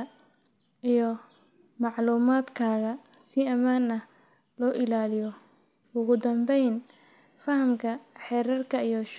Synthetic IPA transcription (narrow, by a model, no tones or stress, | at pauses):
ijɔ | mɑʕluːmaːd̪kʰaːɣɐ | sɪɐmaːnɐ | lɔːʔɪlaːlɪjɔ | ʊɣʊd̪ɐmbɛjn | fɐɦɐmkʰɐħɛːɾɐrkʰɐijɔʃ